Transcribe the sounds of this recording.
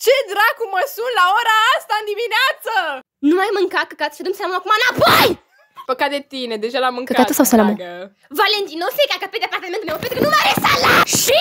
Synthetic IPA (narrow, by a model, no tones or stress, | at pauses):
t͡ʃed̪ɾakuməsunlaoɾaast̪aɨnd̪imineat̪sə | numajmɨŋkakəkat̪ə̥ʃiad̪omsalamoakumaɨnapoj | pəkat̪d̪et̪ined̪eʒalamɨŋkəkat̪əsawsalamo | valent̪inowsejkakapet̪d̪eapart̪ament̪umewpent̪ukənumajɾesalaʃi